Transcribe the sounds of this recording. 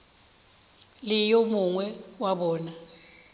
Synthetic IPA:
lijomuŋwɛwaɓɔːna

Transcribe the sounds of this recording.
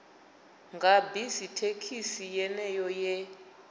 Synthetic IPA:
ŋɡʱabizitʰekʰisijɛnɛjɔjɛ

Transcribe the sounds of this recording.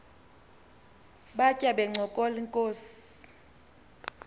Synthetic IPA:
ɓacʼaɓɛŋ͡ǀʱɔkʼɔliŋkʼoːsi̥

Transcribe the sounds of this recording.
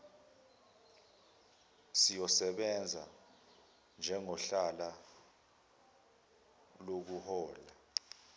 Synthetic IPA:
sijɔsɛɓɛnd͡zʱa̰ | nd͡ʒʱɛŋɔɬala | lok̬uhɔːla

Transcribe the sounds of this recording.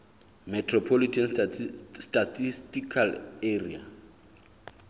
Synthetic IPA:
mɛtʰrɔpʰɔlitʰɛn | stʼatʰistʼikʰaleria̰

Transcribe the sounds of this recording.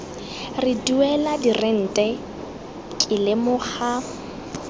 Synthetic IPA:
rɪduɛladirɪn̩tʼɛ | kʼɪlemʊχa

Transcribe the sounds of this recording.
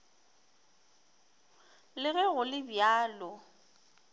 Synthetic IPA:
lɪɣɛɣʊlɪbjaːlɔ

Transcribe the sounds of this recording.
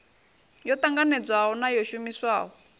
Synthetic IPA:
jɔt̪aŋɡanɛd͡zwaɦɔnajɔʃumiswaːɦɔ

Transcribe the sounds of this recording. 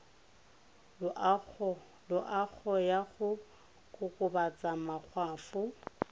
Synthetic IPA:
lʊʔak͡xʰɔjaɣʊ | kʼʊkʼʊbat͡sʼamak͡xʰwaːfʊ

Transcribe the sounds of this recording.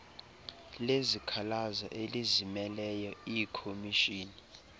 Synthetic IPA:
lezikʰalaza̰ʔelizimɛlɛjɔikʰomiʃiːni

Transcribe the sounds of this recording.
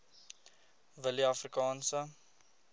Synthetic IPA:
vəliɐfrikɑːnsə

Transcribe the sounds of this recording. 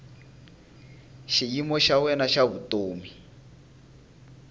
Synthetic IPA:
ʃijimɔʃawɛnaʃaβutoːmi

